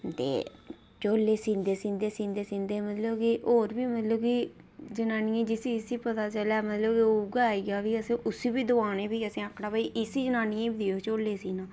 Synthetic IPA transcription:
t̪ḛː | t͡ʃoːlːeːsĩːnd̪eːsĩnd̪eːsĩːnd̪eːsĩːnd̪eːmət̪ləbkioːɾbiːmət̪ləbki | d͡ʒənãːnijẽːd͡ʒɪsiɪsiːpət̪aːt͡ʃəlaːmət̪ləbkiouɡaːɡaːʋiːəsẽːʔʊsiːbiːd̪ʊaːnẽːbiːəsẽːəkʰːɽaːbaiʔɪsiːd͡ʒənãːnijẽbid̪ijoːt͡ʃoːlːeːsiːnãː

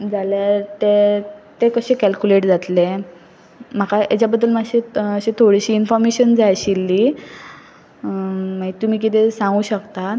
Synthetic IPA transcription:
d͡zaljat̪et̪ekəɕẽkælkuleʈd͡zat̪le | m̤akaa̰t͡ɕjabəd̪ːəlmaɡɕiəɕet̪ʰoɽiɕiːnfɔɾmeɕənd͡zajɕilːi | maɦit̪um̤iːk̬it̪̬esãŋɡuːɕəkt̪a

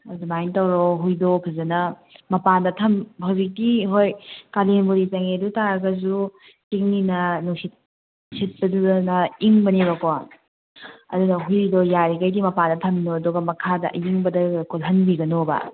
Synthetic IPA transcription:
ɐzumajntɐwɾoɦujdopʰɐzɐnɐ | mɐpandɐtʰɐmhɐwzik̚tiɦojkalenbuɾit͡ʃɐŋedutaɾɐɡɐzu | kiŋ̚ninɐnusit̚ | sit̚pɐdunɐiŋbɐnibɐko | ɐ̰dunɐɦujdojaɾikajdimɐpandɐtʰɐmnoɐduɡɐmɐkʰadɐʔjiŋbɐdɐkʰolɦɐnbiɡɐnobɐ̰

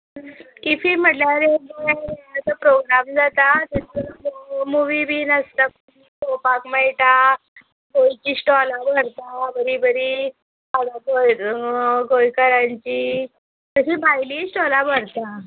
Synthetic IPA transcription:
kifiːm̤əʈljaɾeɡeat͡s̪əpɾoɡɾamd͡zat̪at̪əəmuʋibʱiːnəst̪ək | itopakməɭʈa | ɡojt͡ɕisʈɔlabəɽt̪abəɾibəɾi | ad̪aɡoj | ɡojkəɾaɲt͡ɕiː | k̪əɕiːbajliːsʈɔlabʱəɾt̪a

